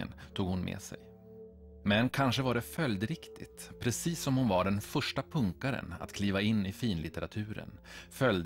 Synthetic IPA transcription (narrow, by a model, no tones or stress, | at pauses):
ə̰nt̪ʰuːɡhʊnmʔḛːsɛ̰j | mɛnkʰanʂəvaɖɛfœld̪ɾɪkt̪ʰɪt̪pʰɾɛsiːsːɔmhʊnvaɖɛnfœʂʈapʰɵŋkaɾə̰na̰t̪kʰliːvaɪnːɪfiːnlɪt̪ɛɾat̪ʰʉ̟ːɾə̰nfœld̪